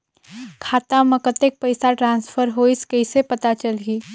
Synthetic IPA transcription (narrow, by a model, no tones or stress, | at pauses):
kʰaːt̪amɐkət̪ek̚pəɪsaʈɾãːnsfʰəɾɦoɪskɐɪsepɐt̪at͡ʃəlɡiː